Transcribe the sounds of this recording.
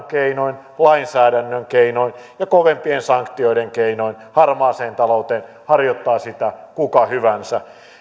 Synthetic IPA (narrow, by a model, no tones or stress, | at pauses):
keinoin | lɑinsæːɾænːøŋkeinoinjɑkoʋempiensɑŋkt̪ioideŋkeinoin | hɑrmɑːseːnt̪ɑlout̪eːn | hɑrjot̪ːɑːsit̪ækukɑhyʋænsæ